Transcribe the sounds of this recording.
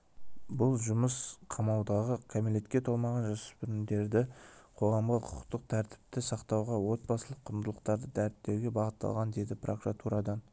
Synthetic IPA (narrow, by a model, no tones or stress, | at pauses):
bʊlˠʒʊməsqʰɑmɑwd̪ɑʁəkʲʰamele̞t̪kʲe̞t̪ʰo̞lˠmɑʁɑnʒɑsə̥spʏɾɪnd̪e̞ɾd̪ɪqʰo̞ʁɑmʁəqʰʊ̥qt̪əq̚t̪ʰæɾt̪ɪ̥p̚t̪ɪsɑqt̪ɑwʁɑwo̞t̪̚bɑsəlˠəqʰːʊnd̪əlˠəqt̪ɑɾd̪əd̪æɾɪt̪ːe̞ɾɡʲe̞bɑʁət̪ːɑ̰lˠʁɑnd̪e̞d̪ɪprokuɾat̪uɾɑd̪ɑn